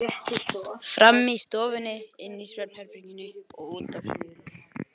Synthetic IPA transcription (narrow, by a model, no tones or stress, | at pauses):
ɪt̪ɪfɾamːist̪ɔːvʏnːɪɪnːisvɛnhɛɾpɾiɲcɪnɪɔɣuːt̪asɪðɪnɪ